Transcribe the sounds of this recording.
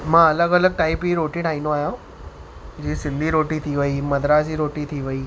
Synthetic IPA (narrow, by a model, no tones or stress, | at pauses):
mãɐləɡələɡ̚ʈaːipiɾoːʈĩʈʰaːɦĩːnõaːɦjã | d͡ʑiːsɪlːiɾoːʈit̪ʰiʋəimɐd̪ɾasiɾoːʈit̪ʰiʋəiː